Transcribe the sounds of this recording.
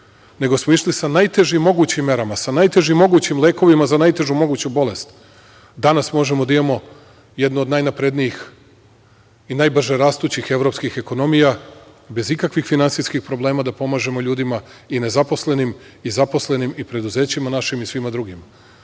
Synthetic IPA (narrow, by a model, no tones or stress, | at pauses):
ne̞ɡo̞smoiʃlisanajt̪e̞ʒimːo̞ɡuːt͡ɕimːe̞ɾamasanajt̪e̞ʒimːo̞ɡuːt͡ɕimle̞ːko̞ʋimazanajt̪e̞ʒumo̞ɡuːt͡ɕubo̞le̞st̪ | d̪anasmo̞ʒe̞mod̪aimamo̞ | jed̪nuod̪najnapɾe̞d̪nijix | inajbr̩ʒeɾaːst̪uːt͡ɕixe̞ʋɾo̞pskixe̞ko̞no̞mija | be̞zikakʋixfinant̪iskixpɾo̞blˠe̞ːmad̪apo̞maːʒe̞mo̞ʎuːd̪imaine̞zapo̞sle̞nim | izapo̞sle̞nimipɾe̞d̪uze̞ːt͡ɕimanaʃimisʋimad̪ɾuɡima